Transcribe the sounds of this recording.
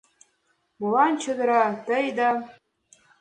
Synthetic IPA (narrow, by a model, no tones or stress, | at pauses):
mulɑnt͡ɕʰə̆d̪ɤ̆ɾɑt̪əjd̪ɑ